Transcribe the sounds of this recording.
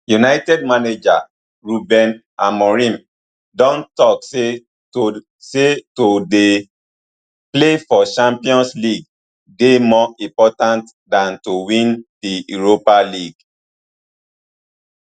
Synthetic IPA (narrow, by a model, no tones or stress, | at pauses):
junaɪtɛd̚maned͡ʒa | ɹubɛ̃n | amɔɹĩm | dɔ̃ntɔkse | setode | plefɔʃãmpiɔ̃nsliɡ | demɔĩmpɔtãnt | dãntowĩndijuɹopaliɡ